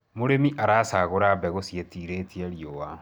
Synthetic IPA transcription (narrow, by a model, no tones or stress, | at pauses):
moɾemiʔaɾaːsaːɣoɾabɛɣosjetiɾeːtiɛɾiowa